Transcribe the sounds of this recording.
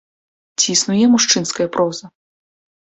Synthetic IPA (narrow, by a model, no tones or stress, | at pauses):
t͡sʲisnujɛmuʂt͡ʂɨnskɐjɐpɾʔɔzɐ